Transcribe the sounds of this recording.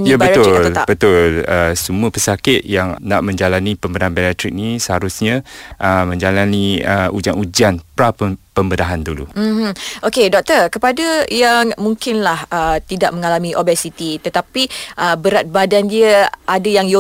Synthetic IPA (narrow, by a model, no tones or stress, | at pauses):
jabəʊlabət̪ʊləsəmuəpəsakɪt̪̚jaŋna̰ʔmə̃ɲd͡ʒalanipəmbədaɦanbialat̪ɾɪk̚nisəhaɾʊsɲãʔəmə̃ɲd͡ʒalaniəud͡ʒanud͡ʒanpɾappəmbədaɦandulṵm̩h̩ʔokedɔk̚t̪ərkəpadəjaŋmuŋkɪnlahət̪idaʔ̚məŋalamĩʔobɛsit̪it̪ət̪apiʔəbəɾat̪̚badandiəadajaŋjo